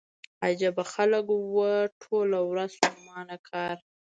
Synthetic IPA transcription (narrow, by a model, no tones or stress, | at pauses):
ad͡ʒabaxaləkwəʈʰolawɾazumɑnakʰɑɾ